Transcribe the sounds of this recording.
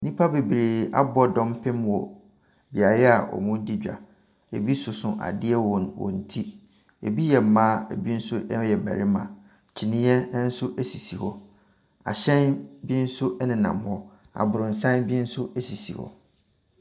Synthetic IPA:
nĩ˦pʰa˦be˨bi˨ɾeː˨a̰˦bɔ˦dɔ̃˦mpʰɪ̃˦mwɔ˨ | bi˨a˨ɾɛ˦a˨ʔɔ̰˨mʊ̃˦di˦d͡ʑᶣa̰˨ | e˨bi˦sʊ˨sʊ̃˨ʔa̰˨dɪ˦ɛ˦wɔ̃˨nwɔ̰˨n̩˨tʰi˦ | e˨bi˦jɛ˨m̩˨mã˦e˨bi˦n̩˦sʊ˦ʔjɛ˨mæ̰˨ɾɪ˦mã̰˨ | t͡ɕʰi˨nɪ̃˦ɛ˦n̩˦sʊ˦ʔæ˦si˨si˨hɔ˦ | a̰˨ɕɛ̃˦nbi˦n̩˦sʊ˦ʔɛ˦nɪ̃˨nã̰˨mhɔ˦ | a̰˨bʊ˨ɾʊ̃˨n̩˨sã˦nbi˦n̩˦sʊ˦ʔe˦si˨si˨hɔ̰˨

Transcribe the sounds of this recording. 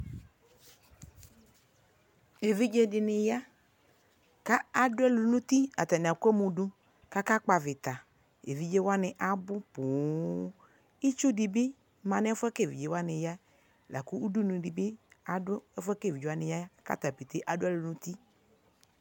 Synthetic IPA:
e˨vi˦d͡ʒe˦dɪ˨nɪ˨ja˦ | ka˦a˨dʊ˦a˦lu˨nũ˦t̪i˦a˨t̪a˨n˨a˨kɛ˦mũ˨ɖu˦ | ka˦ka˦k͡pa˨vɪ˨t̪a˨ | e˨vi˦d͡ʒe˦wa˦nɪ̃˨ʔa˨bʊ˦pu˨ | i˦t͡ʃu˦dɪ˨bɪ˦ | mã˨n˦fɛ˦ke˦˨vi˨d͡ʒe˨˦wa˦nɪ̃˨ja˦ | la˨ku˦u˦du˦nũ˨ɖi˨bɪ˦a˨dʊ˦ɛ˦fɛ˦ke˦˨vi˨d͡ʒe˦a˦nɪ̃˨ja˦ka̰˦˨t̪a˨pe˨t̪e˦ʔa˨dʊ˦a˦˨lu˨nũ˦t̪i˦

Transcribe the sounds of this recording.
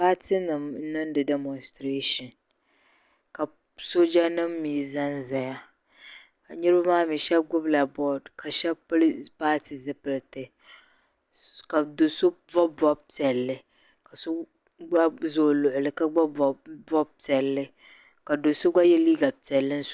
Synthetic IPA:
paː˦ti˦nɨ˨m˦nɨ˦n˦dɨ˨dɛ˨mɔ˨nstɾe˦ʃɔ˨n | ka˨ | so˦d͡ʒa˦nɨ˦mː˦iː˨za˦nza˨ja˦ | ka˨ɲɛ˦ɾɨ˦ba˦maː˦mi˨ʃɛ˦b̚ɡʊ˦bla˨bɔ˦dkʰa˨ʃɛ˦bplpaː˦tʰi˨zɨ˦pɨ˨˦lɨ˨tɨ˨ | ka˨do˨so˦vɔ˦bɔ˦b̚tɛ˨lːɨ˨ | ka˨so˦ | ɡ͡ba˦zoː˨lʊ˨ʔʊ˨lɨ˦ka˦ɡ͡ba˦bɔ˨bɔ˦b̚tɛ˨lːɨ˦ | ka˨do˨so˦ɡ͡ba˦jɛ˦liː˦ɡa˨tɛ˨lːɨ˦n̩˦s

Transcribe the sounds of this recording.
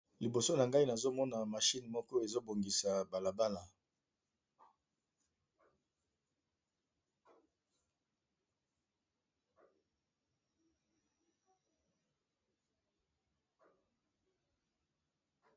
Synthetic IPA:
li˨bo˨so˦na˨ŋɡa˦i˦na˨zo˦mɔ˦na˨ma˨ʃi˦nmɔ˦kɔ˦e˨zo˦bo˨ŋɡi˨sa˨ba˨la˨ba˦la˨

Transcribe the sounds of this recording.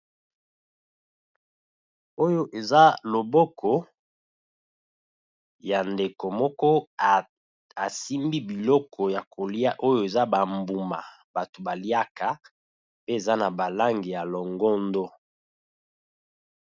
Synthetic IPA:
o˦jo˦ʔe˨za˦lo˨bɔ˦kʰɔ˨ | ja˨nde˨ko˨mɔ˦kɔ˦ | a˨si˦mbi˦bi˨lɔ˦kʰɔ˨ja˨kʰo˨la˦ʔo˦jo˦e˨za˦ba˨mbu˨ma˨ | ba˨to˨ba˨li˦a˦ka˨ | pe˦e˨za˦na˨ba˨la˦ŋɡi˨ja˨lɔ˨ŋɡɔ˦ndo˦

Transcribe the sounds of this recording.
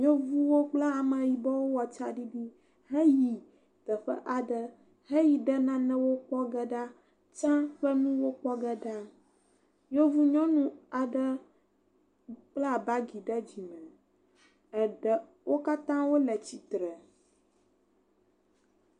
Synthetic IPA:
ɲo˦vu˦wo˦k͡pla˦a˨mə̃˨ji˨bɔ˦wo˦wɔ˨t͡ʃa˦ɖi˦bi˦ | ɦɛ˦ji˨ | t̪ə˨ɸɛ̰˦ʔa˨ɖə˦ | ɦɛ˦ji˨ɖə˦nã˦nɛ̃˦wo˦k͡pɔ˦ɡə˦ɖa˦ | t͡ʃã˦ɸə˦nũ˦wo˦k͡pɔ˦ɡə˦ɖa˦ | ɲo˦vu˦ɲɔ̃˦nũ˦a˨ɖə˦ | k͡pla˦˨ba˦ɡi˨ɖə˦d͡ʑi˨mɛ̃˨ | ɛ˨ɖə˨ | wo˦ka˦t̪ã˦wo˦lə˨t͡ɕi˨t̪ɾɛ˨

